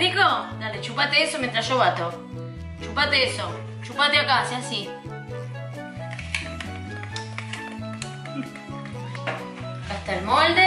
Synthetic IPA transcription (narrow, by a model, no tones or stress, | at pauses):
iɣonaðet͡ʃupat̪eesoment̪ɾaʃoβat̪o | t͡ʃupat̪eeso | t͡ʃupat̪eakaseasi | kaht̪aelmold̪e